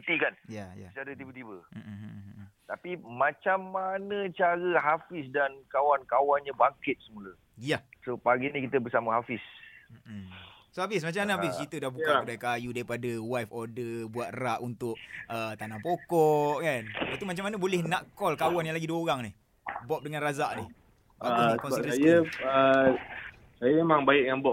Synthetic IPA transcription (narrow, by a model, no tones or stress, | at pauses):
t̪ikanjaja̰t͡ʃaɾət̪ibət̪ibəm̩ʔ̩ | t̪apimãt͡ʃamːanət͡ʃaɾəɦafɪsdankawankawanɲabaŋkɪt̪̚səmulə | jasopaɡinikit̪əbəsaməɦafɪsm̩ʔm̩sohafɪs̬mat͡ʃamanəɦaɪskit̪ədahbukkadaikajudaɾipadəwafɔdəbuat̪̚raʔunt̪ʊʔ̚ət̪anãpokɔʔkanwaʔt̪umat͡ʃamanəbolɛhnaʔkɔlkawanjaŋlaɡiduəoɾaŋnih | bɔp̚dəŋanrazaʔni | baəkɔnkajəə | sajəmemaŋbaɪʔjaŋbɔ